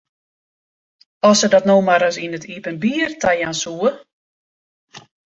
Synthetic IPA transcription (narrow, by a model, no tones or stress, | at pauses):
ɔsədɔtnowmaɾəsinətʰipənbiːərtajansuə